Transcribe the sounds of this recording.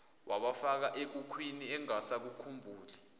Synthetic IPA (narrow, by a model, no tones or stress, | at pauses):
wʔaɓafak̬aʔek̬ukʰwiniɛŋasak̬ukʰumbʱuːli